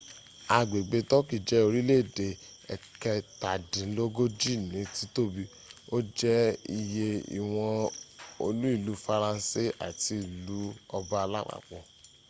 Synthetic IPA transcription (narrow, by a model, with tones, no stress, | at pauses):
a˧˨ɡ͡be˨ɡ͡be˨˧tɔ˦ki˦˨d͡ʒɛ˨˦o˧ɾi˦le˦˨de˨ | ɛ˨kɛ˧ta˨dĩ˨˦lo˦ɡo˦d͡ʒi˦˨nĩ˨˦ti˦to˦bi˧ | o˦d͡ʒɛ˦i˧je˧ḭ˨w̃ɔ̃˧o˧lu˦i˦˨lu˨˦fa˧ɾã˧˦si˦˨ʔa̰˨ti˧i˨lu˨˦ɔ˧ba˦a˧la˦k͡pa̰˨k͡pɔ̃˨